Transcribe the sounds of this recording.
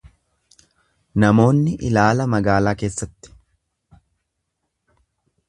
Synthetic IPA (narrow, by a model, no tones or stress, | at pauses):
nɐmo̞ːnːɪʔɪlaːlɐmɐɡaːlaːkeːsːɐt̪ːɪ̥